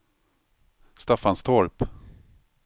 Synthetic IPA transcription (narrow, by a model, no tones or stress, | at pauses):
st̪afanst̪ʰɔɾp